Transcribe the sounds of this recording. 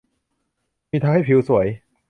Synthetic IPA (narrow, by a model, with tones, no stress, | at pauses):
miː˧t̪ʰaː˧ŋha˥˩jpʰi˧wsu˨˩˦j